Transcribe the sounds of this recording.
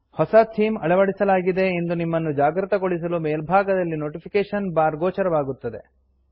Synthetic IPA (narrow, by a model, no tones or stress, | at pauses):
hɔsɐt̪ʰiːmɐɭɐʋɐɽisɐlaːɡid̪e̞end̪unimːɐnːud͡ʒaːɡɾɨt̪ɐɡoɭis̬ɐlumeːlbʱaːɡɐd̪ɐlːino̞ːʈipʰikeːʂɐnbaːɾɡoːt͡ʃɐɾɐʋaːɡut̪ːɐd̪e̞̰